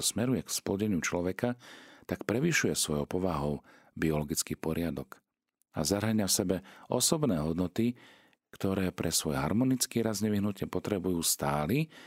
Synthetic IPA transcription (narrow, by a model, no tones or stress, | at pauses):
smɛɾujɛksplɔɟɛɲɪut͡ʃlɔʋɛkat̪akpɾɛʋiʃujɛsʋɔjɔʊpɔʋaɦɔʊ | biɔlɔɡit͡skiːpɔɾɪad̪ɔk | a̰zaɦaɲafsɛbɛɔ̰sɔbnɛːɦɔd̪nɔt̪i | kt̪ɔɾɛːpɾʔɛsʋɔjɦa̰ɾmɔnit͡skiːɾazɲɛʋiɦnucɪɛpɔt̪ɾɛbujuːst̪aːli